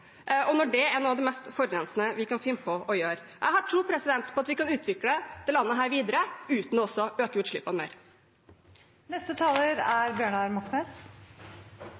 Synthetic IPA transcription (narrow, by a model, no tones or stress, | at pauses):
ʔʔɔnɔɖɛænuːɑʋd̪ɛmɛst̪fɔɾɾɛnsnəʋɪkɑnfɪmpʰɔʔɔjøːɾʔæɪhɑʈʰɾuːpʰɾɛsɪd̪ɛnt̪pʰɔɑt̪ʋɪkɑnʉːt̪ʰʋɪkləd̪̥ɛlɑnːəɦæːɾʋiːd̪əɾəʉːt̪nɔɔsːɔøːkəjʉt̪ʂɭɪ̰pːɑnmḛːɾ | nɛst̪ət̪ʰɑːləɾæɾbjøːɳɑɾmɑksnes